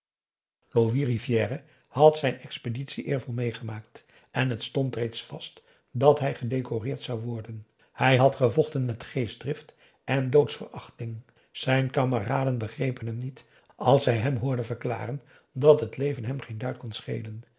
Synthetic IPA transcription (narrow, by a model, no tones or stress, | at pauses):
loʋirivjɛːrə | hɑtsɛjnɛkspeditsiʔɪːɹvɔlˠmejχəmaːkt | ʔɛnɦətstɔntrejtsfɑst | dɑtɦɛjχədejkorɪːɹtsɑwʋɔɹdən | hɛjɦɑtχəvɔχtənmɛtχejsdrɪft | ʔɛndowtsfə̰ɹɑ̰χtɪŋ | z̥ɛjnkaməraːdənbəχrejpənɦɛmnit | ɑlˠsɛjɦɛmɦʊːɹdəvəɹkla̰ːrən | dɑtɦətlejvənɦɛmχejndœɥt̚kɔnsχḛjlən